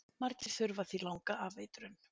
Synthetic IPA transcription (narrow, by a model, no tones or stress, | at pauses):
maɾcɪɾ̥θʏɾvaθilawŋkaaveːjt̪ʏɾʏn